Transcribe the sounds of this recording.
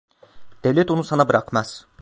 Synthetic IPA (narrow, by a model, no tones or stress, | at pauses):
d̪̥evlʲɛt̪onusanabɯɾakmaz̥